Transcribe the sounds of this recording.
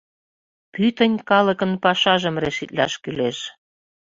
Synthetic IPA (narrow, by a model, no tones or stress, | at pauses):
pyt̪ə̆nʲkɑlə̆kə̆npɑʃɑʒə̆mreʃit̪lɑ̰ʃkyleʃ